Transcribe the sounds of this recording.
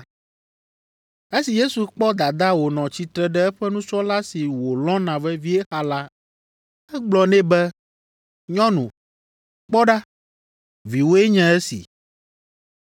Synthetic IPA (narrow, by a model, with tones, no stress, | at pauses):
e˦si˨je˦su˨k͡pɔ˦d̪a˨d̪a˦wo˨nɔ̃˨t͡ɕi˦t̪ɾɛ˨ɖɛ˦ɛ˦ɸɛ˦nũ˦t͡ʃɔ˦la˦si˨wo˨lɔ̃˦nã˨vɛ˦vi˦e˦xa˦la˦ | ɛ˦ɡ͡blɔ˨nɛ̃˦bɛ˦ | ɲɔ̃˦nũ˨ | k͡pɔ˦ɖa˦ | vi˨wo˦e˦ɲɛ̃˦ɛ˦sḭ˨